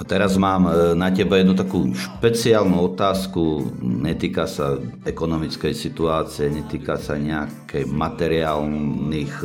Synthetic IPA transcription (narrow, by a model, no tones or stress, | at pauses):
at̪ɛɾazmaːmnacɛbajɛd̪nut̪akuːʃpɛt͡siaːlnuɔt̪aːskuɲɛt̪iːkasaɛkɔnɔmit͡skɛjsit̪uaːt͡siɛɲɛt̪iːkasa̰ɲɛakʰɛjmat̪ɛɾiaːlniːx